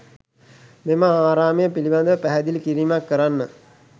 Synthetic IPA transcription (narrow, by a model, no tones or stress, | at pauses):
meməaːɾaːməjəpiliband̪əʋəpæɦɛd̪ilkiɾiːmakːəɾanːə